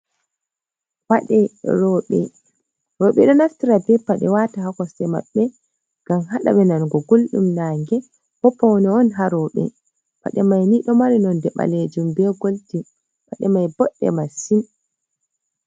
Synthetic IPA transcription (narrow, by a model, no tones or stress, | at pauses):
waɗɛɾɔɓɛ̰ | ɾɔɓɛ̰ɗɔnastiɾabɛpːaɗɛ̰watahakɔsɛma̰ɓːɛ | ɡ̥amɦaɗa̰ɓɛnanɡɔɡolɗumnaːŋɡɛ | bɔpːɔwnɛɔnɦaɾɔɓɛ̰ | pa̰ɗɛmajniɗɔmaɾinɔndɛɓa̰led͡ʒumbɛɡolti | paɗɛmajbɔɗːɛ̰masin